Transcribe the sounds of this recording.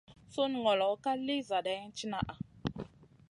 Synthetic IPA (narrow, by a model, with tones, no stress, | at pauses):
so˦n˨ŋɔ˨lɔ˨˦ka˦li˦za˨ɗa˨˦t͡ʃi˦na˦ʔa˨